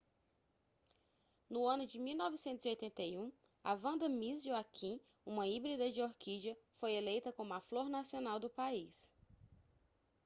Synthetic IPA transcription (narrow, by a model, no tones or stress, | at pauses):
nʊɐ̃nʊd͡ʒɪmiwnɔvisẽnt̪ʊziojt̪ẽnt̪ejũ | avɐ̃nd̪ɐmizd͡ʒuakʰĩ | ũmɐibɾid̪ɐd͡ʒɪoɾkʰid͡ʒɐfojelejt̪ɐkõmũɐfloɾnasionawd̪ʊpais